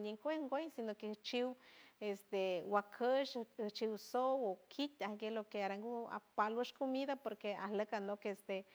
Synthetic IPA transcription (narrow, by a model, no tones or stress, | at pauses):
ɲiŋkʷehŋɡʷejsinoket͡ʃiwest̪ewakʰəʃht͡ʃiwsowokʰit̪ʲahɡelokeaɾaŋɡua̰palwəʃkomiðapoɾkeahləkanokest̪e